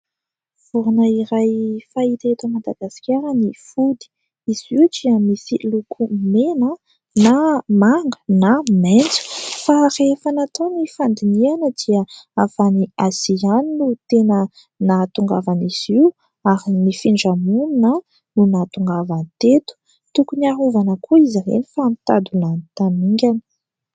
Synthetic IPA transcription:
v̥uɾunəiɾajfait̪aet̪əmad̪aɡ̥asi̥kʲaɾənifud̪i̥ | iz̥iʈ͡ʂiamisilukʰumenə | namaŋɡə̥nament͡su̥farefanat̪onifand̪inianəd̪iəafaniazianinut̪enə | nat̪uŋɡavaniz̥iw | aɾinifiɳɖ͡ʐamunnə | nunat̪uŋɡavant̪et̪u̥ | t̪ukuniaɦuvanəkʰuizaɾḛnifaːmit̪ad̪ulanit̪aniŋɡʲanə̥

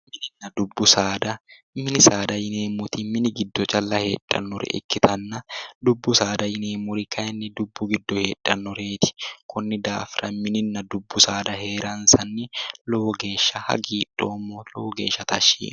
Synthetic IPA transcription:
mɪnɪnːɐd̪ʊbːʊsaːd̪ɐ | mɪnɪsaːd̪ɐjɪneːmːʊt̪ɪmɪnɪɡɪd̪ːɔt͡ʃʼɐlːɐhḛːᶑʼːɐ̰nːɔɾɛ̰ʔɛ̰kːɪt̪ɐnːɐd̪ʊbːʊsaːd̪ɐjɪneːmːʊɾɪkʰɐɛnːɪd̪ʊbːʊɡɪd̪ːɔhe̞ːᶑʼːɐnːɔɾe̞ːt̪ɪ̥kʊnːɪd̪aːfɾɐmɪnɪnːɐd̪ʊbːʊsaːd̪ɐɦe̞ːɾɐnsɐnːɪlɔwɔɡe̞ːʃːɐhɐ̰ɡiːᶑʼːoːmːɔlɔwɔɡe̞ːʃːɐt̪ɐʃːḭːnʊ

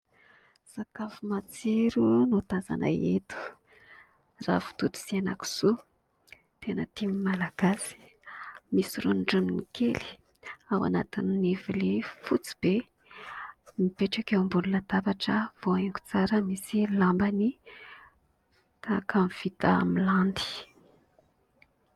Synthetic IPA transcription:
sakafumat͡siɾunot̪aza̰nʔə̰et̪u̥ | ra̰fu̥t̪ut̪u̥sianaku̥z̥u | t̪enət̪imimalaɡ̥asi̥ | misirunɖ͡ʐuninikʰeli̥ | awa̰nat̪ininevilefut͡si̥b̥e | mipeʈ͡ʂakewmbulunat̪apaʈ͡ʂəvoeŋku̥t͡saɾəmisilambani | t̪akʰamv̥it̪amiland̪i̥

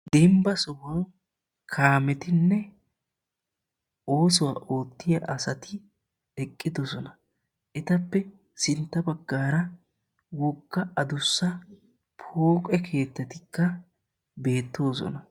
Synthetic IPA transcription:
d̪̥ɛmbɐsɔwɐw | kʰaːmɛt̪ɪnːɛ | o̞ːs̬ʊwa̰ːʔo̞ːt̪ːɪjɐʔɐsɐt̪ɪ | ɛkʼːɪd̪ɔsɔnɐ | ʔɛt̪ɐpːɛ | sɪnt̪ːɐbɐɡːaːɾɐ | wɔɡːɐɐd̪ʊsːɐ | pʰoːkʼɛkʰe̞ːt̪ːɐt̪ɪkːɐ | be̞ːt̪ːo̞ːs̬ɔ̰nɐ

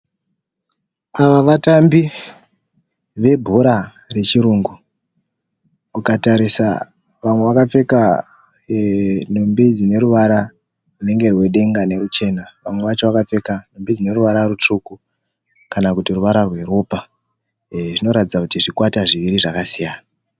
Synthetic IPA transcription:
aʋaʋatambi | ʋe̞bʱoɾa | re̞t͡ʃiɾuːŋɡu | ukataɾisa̰ | ʋamwe̞ʋakap͡fe̞ka | nombid͡zine̞ɾuʋaɾa | rune̞ŋɡe̞rwe̞ɗe̞ŋɡane̞rut͡ʃe̞naʋamwe̞ʋat͡ʃo̞ʋakap͡fe̞kanombid͡zine̞ɾuʋaɾarut͡ʂuku | kanakutiruʋaɾarwe̞ɾo̞ːpa | ʐino̞ɾatid͡zakutiʐikwataʐiʋiɾiʐakasijaːna

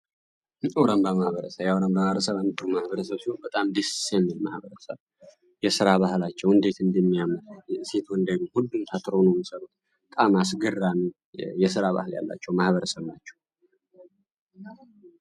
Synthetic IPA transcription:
oɾəmbamahβəɾəsəβjawɾəmbəməɾəsəβanɨt̪ːɨɾumahβəɾəsəβsihonbət̪ʼamd̪issjɛmːilmahβəɾəsəβ | jɛsɨɾaβahlat͡ʃːɛwɨnd̪e̞t̪ɨnd̪əmːijaməɾset̪ʰuɨnd̪eɡuhulːumt̪ʰat̪ʰɨɾonoməsəɾut̪ | t̪ʼamasɡɨrːani | jɛsɨɾaβa̰hlja̰lːa̰t͡ʃːɛwmahβəɾəsəβnat͡ʃːɛw

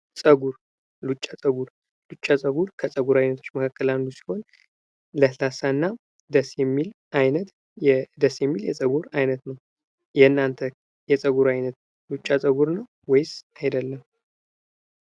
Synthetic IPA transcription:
sʼəɡuɾ | lut͡ʃʼːasʼəɡuɾ | lut͡ʃʼːasʼəɡuɾkʰəsʼəɡuɾajnət̪ʰo̞t͡ʃːməkʰakːəlanlusi̥ho̞n | ləslasanːa | d̪əsjɛmːil | ajnət̪ | ɛd̪əsjɛmːiljɛ̰sʼəɡuɾajnət̪nəw | jɛnːant̪ʰə | jɛsʼəɡuɾajnət̪ | lut͡ʃʼːasʼəɡuɾnəw | wɔjsajd̪əlːəm

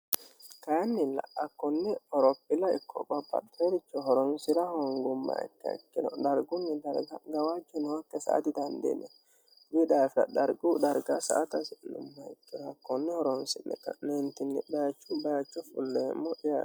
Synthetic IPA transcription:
kɐnːɪlːɐ̰ʔɐkːɔnːɛɔɾɔpːɪlɐɪkːɔ̰bɐbːɐ̰teɾɪt͡ʃːɔɦɔɾɔnsɪɾɐhɔŋɡʊmːɐ̰ɛ̰kːɐ̰ɪ̰kːɪnɔd̪ɐɾɡʊnːɪd̪ɐɾɡɐɡɐwaːd͡ʒɛnɔwɐkːɛsɐ̰ʔɐ̰d̪ɪd̪ɐnd̪ḛnɛ | wɪd̪aːfɐ̰d̪ɐɾɡud̪ɐɾɡasɐ̰ʔɐt̪ɐsɪlʊ̰mːɐɪkːɪɾɐkːɔnːɛhɔɾɔnsɪnːɛ̰kɐ̰nɛnt̪ɪnːɛbɐjɐt͡ʃːʊbɐjɐt͡ʃːɔfʊlːɛmːɔʔɪja

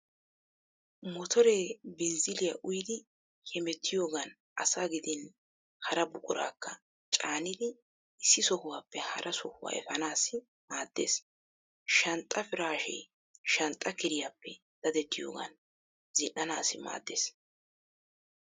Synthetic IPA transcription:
mɔt̪ʰɔɾeːbɪnzɪlɪjaʔʊjɪd̪ɪ | kʰɛmɛt̪ʰːɪjoːɡɐn | ʔɐsaːɡɪd̪ɪn | hɐɾɐbʊkʼʊɾa̰ːkːɐ | t͡ʃʼaːnɪd̪ɪ | ɪsːɪsɔhʊwaːpːɛhɐ̰ɾʔɐsɔhʊwa̰ːɛ̰fɐnaːsɪ | maːd̪ːḛːs | ʃɐnt̪ʼːɐfɪɾaːʃɛ̰ | ʃɐnt̪ʼɐkɪɾɪjaːpːɛ | d̪̥ɐd̪ɛt̪ːɪjo̞̰ːɡɐ̰n | zɪnːɐnaːsɪma̰ːd̪ːḛːs

